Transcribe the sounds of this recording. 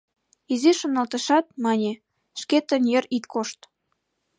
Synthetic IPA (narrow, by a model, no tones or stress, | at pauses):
iziʃonɑlt̪əʃɑt̪̚mɑnʲe | ʃket̪ənjərit̪koʃt̪